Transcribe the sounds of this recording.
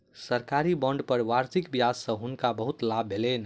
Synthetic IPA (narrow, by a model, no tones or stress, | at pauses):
səɾkaɾibɔ̃ɳɖpəɾʋaɾsikbijassə̃ɦunkabəɦut̪labʱelen